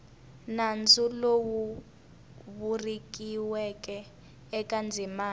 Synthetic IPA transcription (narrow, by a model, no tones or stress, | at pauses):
nand͡zulowu | βurik̬ʼiwɛkʼɛː | kʼand͡zʱimaː